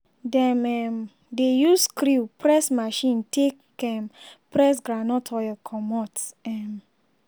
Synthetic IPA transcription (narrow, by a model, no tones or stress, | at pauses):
dɛ̃mɛm | dejuskɾipɾɛsmaʃĩntek | ɛmpɾɛs̬ɡɾanɔtʰɔɔkʰɔmɔtɛm